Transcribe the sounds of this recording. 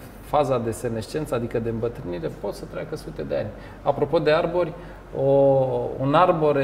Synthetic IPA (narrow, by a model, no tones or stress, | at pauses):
fazad̪ese̞ne̞st͡ʃe̞nt̪səad̪ikəd̪e̞ɨmbət̪ɾɨniɾe̞po̞t̪sət̪ɾʲakəsut̪e̞d̪e̞a̰nʲ | apɾo̞po̞d̪e̞arbo̞rʲ | oṵnarbo̞ɾ